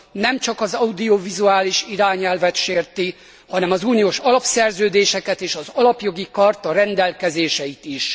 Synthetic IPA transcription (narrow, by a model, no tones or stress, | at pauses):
nɛmt͡ʃɒkɒzɒud̪io̞vizuaːliʃiɾaːɲɛlvɛt̪ʃeːrt̪i | hɒnɛmɒzuːnioːʃɒlɒpsɛrzøːd̪eːʃɛkɛt̪eːʃɒzɒlɒpjo̞ɡikɒrt̪ɒɾɛnd̪ɛlkɛzeːʃɛjit̪iʃ